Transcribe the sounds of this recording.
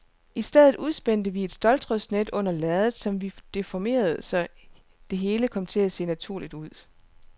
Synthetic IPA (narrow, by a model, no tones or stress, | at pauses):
ʔisd̥eð̞̰ˠð̩ˠuðˠsb̥en̰d̥əʋie̝d̥sd̥ɒ̽ldʰʁœsned̥ɔ̽n̰ɐlɛðˠð̩ˠsɒ̽mʋid̥e̝fɒme̝̰ːɐð̞̩ˠəsɒ̽ | d̥e̝ɦe̝ːləkʰɒ̽m̰t͡sʰe̝læse̝̰ːnæt͡sʰuɐ̰lid̥uð̞̰ˠ